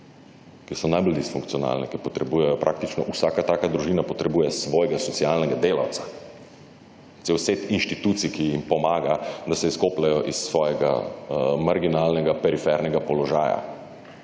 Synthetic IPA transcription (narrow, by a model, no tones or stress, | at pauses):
kisɔnajbɔld̪isfuŋkt̪sijɔna̰ːlnɛkipɔt̪ɾɛbuːjɛjɔpɾʔaːk̚t̪it͡ʃnɔʔusaːkat̪aːkad̪ɾuʒiːnapɔt̪ɾɛbuːjɛsʋɔːjɛɡasɔt̪sialnɛɡad̪eːla̰wt̪ḁ | t̪sewset̪inʃt̪it̪uːt̪sikijimpɔmaːɡad̪asɛiskoːplajɔʔisːʋɔːjɛɡa̰maɾɡinalnɛɡapɛɾifɛɾnɛɡapɔlɔʒaːja̰